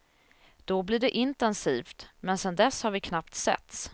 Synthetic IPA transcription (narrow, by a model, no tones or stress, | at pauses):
d̪̥ɔblɪɖɛʔɪnt̪ɛnsiːft̪mɛnsɛnd̪ɛsːhaɾvɪkʰnapt̪sɛ̰t̪s